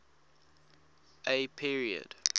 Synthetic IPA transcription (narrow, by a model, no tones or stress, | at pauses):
ʔepʰiɹiə̰d̥